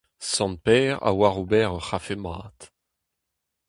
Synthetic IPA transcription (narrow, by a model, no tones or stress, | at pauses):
sɑ̃n̚pɛːʁa̰waʁobɛʁəχafemaːt̪